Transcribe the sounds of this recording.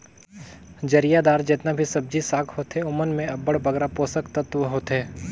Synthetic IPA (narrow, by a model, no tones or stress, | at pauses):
d͡ʒɐɾijad̪aːɾd͡ʒeːt̪nabʱisɐb̚d͡ʒisaːkʰhoːt̪eʊmənmẽɐbəɽbɐɡɾapoːsəkt̪ət̪ʋəɦoːt̪ɦeː